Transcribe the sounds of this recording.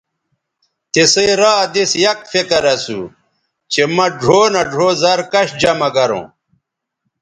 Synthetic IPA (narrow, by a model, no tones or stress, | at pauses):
t̪eseɾaːd̪isjɐk̚fekɐɾɐsṵ | t͡ɕemɐɖʱoːnɐɖʱoːzɐɾkɐɕd͡ʑɐmɐɡɐɾõ̰ː